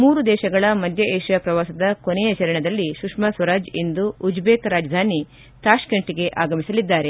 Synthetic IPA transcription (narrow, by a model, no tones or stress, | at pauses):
muːɾud̪ɛːʃɐɡɐɭɐmɐd̪ʱjɐʔeːʃjɐpɾɐʋaːsɐd̪ɐkonɛjɐt͡ʃɐɾɐɳɐd̪ɐlːiʃukʂmɐsʋɐɾaːd͡ʒend̪uːd͡ʒbeːkɾaːd͡ʒɐd̪ʱaːni | t̪aːʃkɐɳʈiɡe̞ʔaːɡɐmisɐlid̪ːaːɾe̞